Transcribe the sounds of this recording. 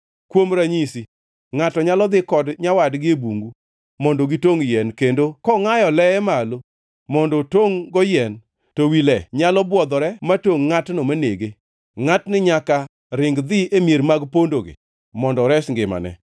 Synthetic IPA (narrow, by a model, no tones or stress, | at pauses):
kwomɾaɲisi | ŋatɔɲalɔd̪ɪkɔdɲawadɡɪebuŋɡu | mɔndoɡitoŋjɛnkendokɔŋajɔlɛɛmalo | mɔndɔtoŋɡɔjɛn | tɔwilɛɲalɔbwɔd̪ɔɾɛmatoŋːatnomaneɡe | ŋatnɪɲaka | ɾɪŋɡd̪ɪemjeɾmaɡpondoɡɪ̰ | mɔndɔɾɛsŋɡɪma̰nɛ̰